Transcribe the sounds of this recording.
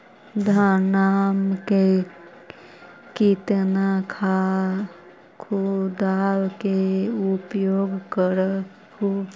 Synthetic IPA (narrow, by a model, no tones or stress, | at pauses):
d̪ʱənamke | kit̪nakʰa | kʰud̪awkeupjoːɡkəɾə | u